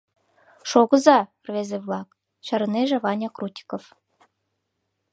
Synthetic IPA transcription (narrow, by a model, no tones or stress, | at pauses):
ʃoɣə̆zɑ | rvezeβlɑk | ɕɑ̆ɾə̆neʒĕβɑnʲɑkrut̪ʲi̥kof